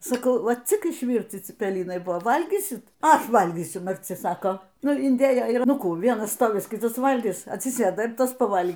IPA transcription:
sɐˈkɐʊ ˈʋɐ t͡sʲɪk ɪʃʲˈʋʲiːrʲt͡sʲɪ t͡sʲɪpʲɛˈlʲɪnɐɪ ˈbʊʋoː ˈʋɐlʲɡʲiːsʲɪt ˈɐʃ ˈʋɐlʲɡʲiːsʲʊ mɐrʲˈt͡sʲɪ ˈsɑːkoː ˈnʊ ɪnʲˈdʲeːjoː ɪr ˈnʊ ˈkuː ˈʋʲiɛnɐs ˈstoːʋʲɪs ˈkʲɪtɐs ˈʋɐlʲɡʲɪs ɐtʲsʲɪˈsʲeːdɐ ɪr ˈtɐs pɐˈʋɐlʲ

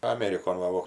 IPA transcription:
ɐˈmʲæːrʲɪkoːn ˈʋɐ ʋoː

